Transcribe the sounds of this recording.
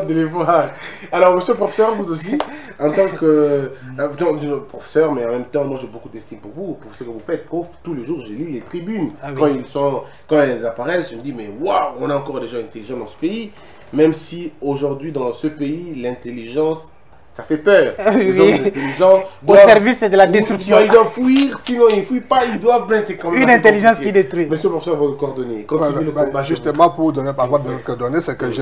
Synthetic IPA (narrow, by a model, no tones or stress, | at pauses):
d̪əlefalalɔʁməsjøləpχɔfe̥sœʁvuzos̬i | ɑ̃t̪ɑ̃kə | d̪ɔ̃d̪iʒpχɔfe̥sœʁmɛɑ̃mɛ̃mt̪ɑ̃mwaʒebokud̪ɛst̪inpuʁvupuʁsəkəvufɛt̪̚oft̪uleʒuːʁʒəlilet̪χibynkɑ̃ilsɔ̃ | kɑ̃ɛllzapaʁɛsʒəməd̪imɛwawɔ̃naɑ̃kɔʁd̪eʒad̪ɛ̃t̪eliʒɑ̃sd̪ɑ̃sə̥pei | mɛmsioʒuʁd̪ɥid̪ɑ̃səpeilɛ̃t̪eliʒɑ̃sː | afɛpœːʁɛ̃t̪eliʒɑ̃sd̪asɛʁvisɛd̪əlad̪ɛst̪χyksjɔ̃ild̪wavfuiʁsinɔ̃ilfuipaild̪wavbɛ̃sɛkɑ̃mɛymnɛ̃t̪eliʒɑ̃skid̪et̪χwimɛsypuʁfsɔvɔ̃ləkɔʁd̪ɔnekɔ̃ieləbbast̪ɛmapuʁd̪ɔnepavwad̪əzɔt̪ʰəd̪ɔnesɛkəʒe